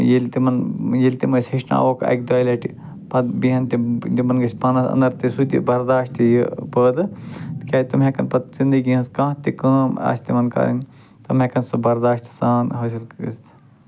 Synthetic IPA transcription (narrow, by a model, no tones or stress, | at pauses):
jilt̪imɐnjilʲt̪imɐsʲheʃna̰ʋokɐ̰k̚ʲd̪ɐːjlɐʈi | pɐd̪biɦɐnt̪id̪imɐnɡɐsʲpanɐsɐ̰̃nd̪ɐɾt̪isut̪ḭbɐɾd̪aːʃt̪ijipəːd̪ɨkʲet̪ɐmɦekɐnpɐt̪zind̪iɡiɦɐskãːt̪ikəːma̰ːsʲt̪imɐnkɐ̰ɾɐ̰nʲ | t̪ɐmɦekɐnsɐbɐɾd̪aːʃt̪saːnɦɐs̬ilkəɾt̪ʰ